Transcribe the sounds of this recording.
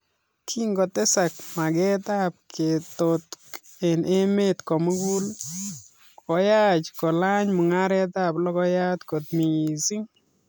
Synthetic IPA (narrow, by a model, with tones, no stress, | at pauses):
kʰi˦ŋɡɔ˨tɛ˦sa˨k̚ma˨kɛ˦ta˦p̚kʰe˨to˨t | e˨nʔe˦me˦tkɔ˨mu˦ku˦l | kɔ˨ja˦t͡ʃkɔ˨la˦ɲmu˨ŋa˦ɾɛ˦ta˦plɔ˦kɔ˦ja˦t̪ko˨t̪mi˨i˨si˦ŋ